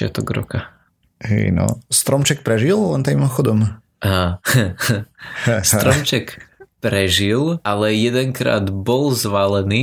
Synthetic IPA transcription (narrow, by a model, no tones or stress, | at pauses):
ɪa̰t̪ɔɡɾɔ̰ka | ɦɛ̰ɪnɔ̰st̪ɾɔmt͡ʃɛk̚pɾɛʒilˠlɛnt̪iimɔxɔd̪ɔm | ɦa | sɾɔmt͡ʃɛkpɾɛʒilʔalɛjɛd̪ɛŋkɾa̰ːd̪bɔlzʋalɛni